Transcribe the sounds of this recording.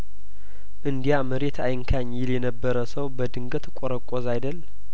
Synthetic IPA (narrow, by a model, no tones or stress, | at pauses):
ʔɨnd̪ijaməɾe̞t̪ʰajɪŋkʰaɲjɪljɛnəbːəɾəsəwbəd̪ɨŋɡət̪kʼoɾəkʼozajd̪əl